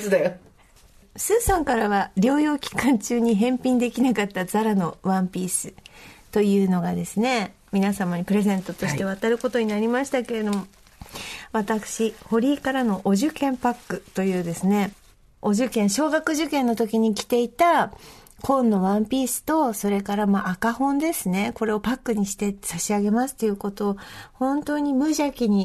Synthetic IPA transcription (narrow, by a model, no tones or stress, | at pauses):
sɨd̪a | sɨːsõŋkaɾaβaɾʲo̞ːjo̞ːkʲi̥kãɲ̟t͡ɕɨːɲ̟iɦẽ̞mpʲĩnd̪e̞kʲinakat̪ːazaɾano̞βãmpʲiːsɨt̪o̞jɯ̟ːno̞ɡad̪e̞sɨne̞ | mʲinasamaɲ̟ipɯ̟ɾe̞zẽ̞nt̪o̞t̪o̞ɕi̥t̪e̞β̞at̪aɾɯ̟ko̞t̪o̞ɲ̟inaɾʲimaɕi̥t̪ake̞ɾe̞d̪o̞mo̞ | βat̪akɯ̟̥ɕiho̞ɾʲiːkaɾano̞ʔoʑɨkẽ̞mpakːɯ̟t̪o̞jɯ̟ːd̪e̞sɨne̞ | o̞ʑɨkẽɰ̃ɕo̞ːɡakɯ̟ʑɨkẽ̞nːo̞t̪o̞kʲiɲ̟ikʲi̥t̪e̞it̪a | kʰõ̞nːo̞βãmpʲiːsɨ̥t̪o̞so̞ɾe̞kaɾamaʔakahõ̞nd̪e̞sɨne̞ko̞ɾe̞o̞pakːɯ̟ɲ̟iɕi̥t̪e̞saɕiaɡe̞masɨ̥t̪ːo̞jɯ̟ko̞t̪o̞ːhõ̞nt̪o̞ːɲ̟imɯ̟ʑakʲiɲ̟i